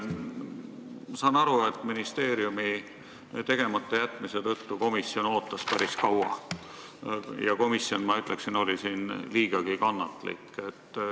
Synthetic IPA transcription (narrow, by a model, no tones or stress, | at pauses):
sɑnɑɾuet̪ːˑminist̪e̞ːɾiumi | t̪e̞ɡ̥e̞mɑt̪ːˑɑjæt̪ːˑmise̞t̪ɤt̪ːuko̞misjo̞no̞ːt̪ːˑɑspæɾiskɑwɑ̰ | jɑko̞misjo̞nmɑyt̪ˑle̞ksino̞lʲisiːnliːɡ̥ɑɡ̥ikɑnːɑt̪ˑlḭkːˑe̞t̪ː